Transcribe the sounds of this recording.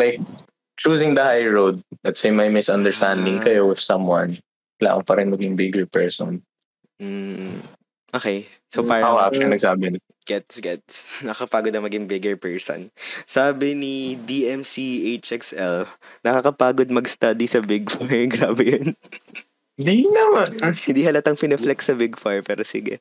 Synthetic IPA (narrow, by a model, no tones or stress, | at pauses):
lajk̚ | t͡ʃuːs̬ɪ̃ŋd̪ɐhajɹod̪̚d̪ɐt̪semɐjmɪsʔɐnd̪ɛɹst̪and̪ɪŋkɐjowɪ̥sɐ̃mwɛn | wɐla̰ːʔɐŋpɐɾɛnmɐɡɪŋbɪɡɛɹpɛɹsɔ̰n | m̩ | ʔoːkej | sopaːɹaʔoap̚ɛnɐɡsaːbɪnɪ | ɡ̥ɛt̪sɡɛt̪̚snɐkɐpaːɡod̪ɐŋmɐɡɪŋbɪɡɛɹpɛɹso̰nsaːbɪnid̪iʔɛmsiʔejt͡ʃʔɛksʔɛlnɐkakɐpaːɡod̪̚mɐɡst̪ɐd̪isɐbɪɡfaɹɡɾaːbɛjon | nd̪inɐmanhɪ̃nd̪iːhɐlɐt̪ɐŋpɪnɛflɛksɐbɪɡfaɹpɛːɾosɪ̰ɡɛ̰